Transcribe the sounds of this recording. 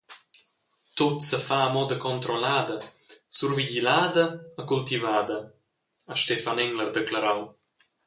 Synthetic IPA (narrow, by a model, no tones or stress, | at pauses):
t̪ot̪səfaːmɔd̪əkɔnt̪ɾolaːd̪əsuɾviɟilaːd̪əəkult̪ivaːd̪ə | əʃt̪efanɛŋlərd̪eklaɾaw